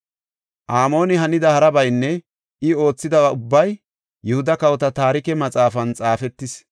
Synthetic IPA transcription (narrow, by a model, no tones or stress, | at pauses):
ʔaːmo̞ːnɪɦɐnɪd̪ɐhɐɾɐbɐjnːɛ | ʔɪo̞ːt͡sːɪd̪ɐbɐʊbːɐj | jɛhʊd̪ɐkɐwɔt̪ɐt̪aːɾɪkɛmɐt͡sʼaːfɐnt͡sʼaːfɛt̪ːɪs